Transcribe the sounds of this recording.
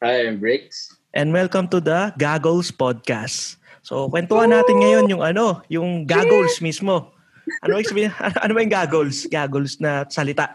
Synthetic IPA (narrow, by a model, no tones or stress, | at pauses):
ajɛmbɹɪks | ʔɛ̃nd̪wɛlkɐmt̪ud̪ɐɡaɡolspod̪̚kast | so̰kwɛnt̪ohɐnːaːt̪ɪnŋɐjo̞njʊŋɐno̞jʊŋɡaːɡolsmismo̞ | ʔɐnobɐksɐbiɐ̰nʔɐnobɐjʊŋɡaːɡolsɡaːɡolsnɐsɐlɪt̪aʔ